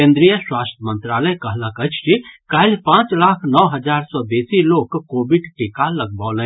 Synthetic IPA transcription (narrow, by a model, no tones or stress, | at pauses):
ẽnd̪ɾijəswaːst̪ʰjəmə̃nt̪ɾaːləjkəɦləkət͡ʃʰɾikailpãːt͡ʃlakʰnɔʋɦəd͡ʒaɾsɔbesilokːobiɖʈikaləɡ̚bɔːlɛ̃